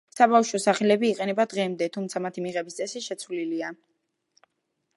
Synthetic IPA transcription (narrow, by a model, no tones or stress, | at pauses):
sabafʃɔsaχɛlɛbiːqʼɛnɛbad̪ʁɛmd̪ɛt̪ʰumt̪sʰamat̪ʰimiʁɛbist̪ʼɛsiʃɛt̪sʰwvlilia